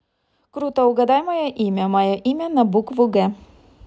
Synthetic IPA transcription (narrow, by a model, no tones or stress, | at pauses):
kɾuːt̪ɐʊɡɐd̪ɑːjmojoʔiːmʲɛmɑjɔʔiːmʲɛnɐbʊkʋʊɡɛ